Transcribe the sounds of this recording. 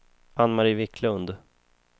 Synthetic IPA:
anːmaɾiːvɪkʰlɵnd̪

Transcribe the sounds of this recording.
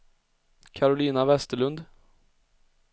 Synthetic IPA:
kʰaɾʊliːnavɛst̪əɭɵnd̪

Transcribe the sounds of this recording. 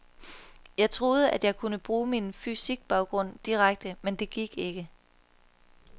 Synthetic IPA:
jɑ̈ɪt͡sʰʁo̝ːð̞ˠəʔæd̥jɑ̈ɪkʰunəb̥ʁuːminfysiɡ̥̚b̥ɑ̈ʊɡ̥ʁɔ̽n̰d̥iʁaɡ̥̚d̥əmend̥e̝ɡ̥iɡ̥e̝ɡ̥ə

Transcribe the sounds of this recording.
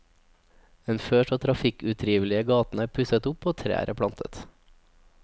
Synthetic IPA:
eːnføːʃoːt̪ʰɾɑfɪkʉt̪ʰɾiːʋəlɪəɡɑːt̪n̩æːpʰʉsət̪ʊpoːt̪ʰɾæ̰ːɾʔəpʰɽɑnt̪ʰə̰t̪

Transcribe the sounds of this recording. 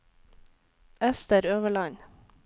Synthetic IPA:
ɛst̪əɾøːʋəɭɑɲ

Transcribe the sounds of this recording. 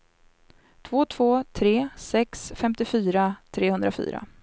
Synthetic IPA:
t̪ʰv̥oːt̪ʰv̥oːt̪ʰɾeːsɛksfɛmt̪ɪfyːɾat̪ʰɾeːhɵnd̪ɾafy̰ːɾa̰

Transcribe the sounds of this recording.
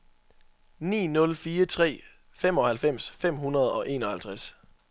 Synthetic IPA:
nḭːnɔ̽lfiːɐt͡sʰʁɛ̰ː | fem̰ɒ̽hælfem̰sfem̰ɦunɐð̞ˠɒ̽ʔe̝̰ːnɒ̽hælt͡sʰʁas

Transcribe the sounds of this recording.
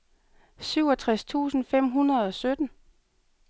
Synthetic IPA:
syʊɒ̽t͡sʰʁast͡sʰṵːsn̩fem̰ɦunʁɐð̞̩ˠɒ̽sød̥n̩

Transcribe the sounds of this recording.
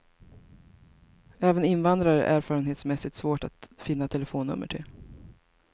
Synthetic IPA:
ɛːvənɪnvand̪ɾaɾɛɾʔæːɾfɑːɾənheːt̪smɛsɪt̪svoːʈat̪fɪnːat̪ʰɛləfoːnːɵ̰mːə̰ʈʰɪ̰l

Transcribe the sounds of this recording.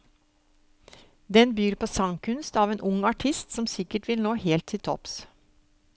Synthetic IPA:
d̪ɛnbyːɾpoːsɑŋkʰʉnst̪ɑːʋeːnʔʊŋɑʈʰɪst̪sɔmsɪkəʈʋɪlnoːheːlt̪ʰːɪlt̪ʰɔ̰ps

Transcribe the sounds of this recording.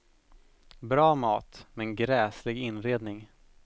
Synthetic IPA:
bɾɑːmɑːt̪mɛnɡɾɛːslɪɡɪnɾeːd̪nɪŋ

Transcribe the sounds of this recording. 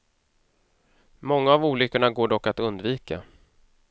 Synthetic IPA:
mɔŋːaavuːlʏkːəɳaɡoːɖɔkːat̪ɵnd̪viːka

